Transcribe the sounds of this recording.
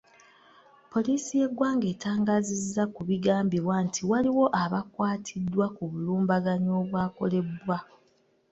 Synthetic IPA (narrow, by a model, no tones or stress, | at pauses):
po̞liːsije̞ɡwaːŋɡe̞ːtaːŋɡazizːakuβiɡaːmbiβwaːntʰiwaliwo̞ʔaβakwaːtʰidːwakuβuluːmbaɡaɲo̞ːβwaːko̞le̞bwa